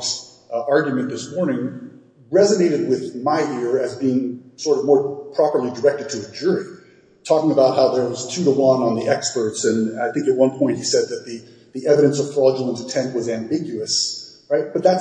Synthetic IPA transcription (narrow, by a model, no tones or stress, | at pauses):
s | ɑɹɡjmɨ̃nðɪsmɔɹnɪ̃ŋ | ɹɛzɨneɪɾɨd̚wɪðmaɪʔɪɹɨzbiɪ̃ŋsɔɹɾʌvmɔɹpʰɹ̥ɑpə˞lˠidə˞ɛk̚tɨd̚tʰɨɨd͡ʒʊɹi | tʰɔkɪ̃ŋəbaʊt̚ɦaʊðə˞wʌz̥tʰʉɾəwʌ̃nə̃nðiʔɛkspə˞tsɨ̃naɪθɪ̃ŋkɨt̚wʌ̃npʰɔ̃ɪ̃nt̚hisɛd̪̚ðɨt̪̚ði | ðiʔɛvɨɾɨ̃nsʌv̥fɑd͡ʒəl̩ˠə̃nzɨtʰɛ̃nʔ̚wʌzæ̃mbɪɡjʉɨs | ɹaɪt̚b̥ʌt̪̚ðæts